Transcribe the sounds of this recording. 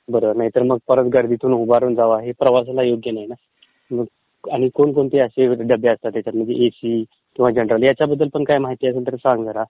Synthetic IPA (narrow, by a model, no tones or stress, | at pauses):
bəɾoʋəɾnaɦit̪əɾməɡ̚pəɾət̪ɡəɾd̪ʱit̪ʰuːnɦubaɾuːnd͡zaʋaɦepɾəʋas̬lajoɡjənaɦjina | məɡ | aɽ̃ikonkoɳt̪eəseɖəbeəst̪at̪et͡ɕat̪m̤əɳd͡zḛʔesiː | kĩʋ̤ad͡ʑənɾəljat͡ɕjabəd̪ːəlpəɳkajmaɦit̪iːəs̬ənt̪əɾsãŋɡɡəɾa